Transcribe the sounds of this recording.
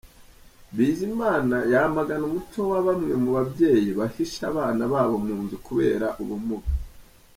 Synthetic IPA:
βiːzimaːnajamaɡanumutowaβamŋemuβabje̞ːjiβahiʃaβaːnaβaːβo̞muːnzukuβe̞̰ːɾaʔuβumuɡa

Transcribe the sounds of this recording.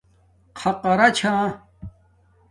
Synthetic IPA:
qʰɐqɐɾɐt͡ɕʰãː

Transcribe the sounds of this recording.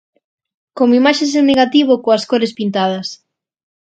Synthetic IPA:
komoimaʃes̬eneɣat̪iβokoɐskoɾespint̪að̞ɐs

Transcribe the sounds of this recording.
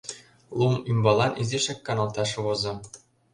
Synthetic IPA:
lˠumymbɑlˠɑnʔizeʃækːɑnɑlˠt̪ɑʃβozɤ̆

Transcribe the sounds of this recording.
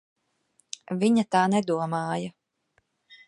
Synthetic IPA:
viɲat̪aːnɛd̪uɔmaːjɐ

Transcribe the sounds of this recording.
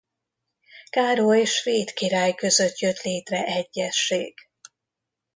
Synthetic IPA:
kaːɾoeʃfeːt̪kiɾaːjkø̞zø̞t̪jø̞t̪leːt̪rɛʔɛɟːɛʃːeːɡ̥

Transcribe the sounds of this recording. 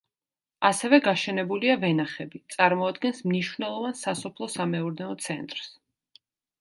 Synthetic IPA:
asɛvɛɡaʃɛnɛbuliavɛnaχɛbit̪sʼaɾmɔad̪ɡɛnsmniʃwvnɛlˠɔvansasɔpʰlˠɔsamɛuɾnɛɔt̪sʰɛ̰nt̪ʼɾs

